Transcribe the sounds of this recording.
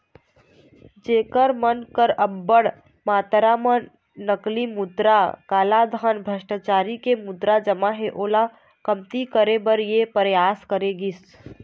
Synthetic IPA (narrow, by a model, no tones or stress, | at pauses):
d͡ʒeːkəɾmənkəɾəbːəɽ | maːt̪ɾamə | nəklimud̪ɾakaːlad̪ʱanbʱəʃʈat͡ʃaːɾikemʊd̪ɾad͡ʒəmaɦeʔoːla | kəmt̪ikəɾebəɾjepəɾjaːskəɾeɡis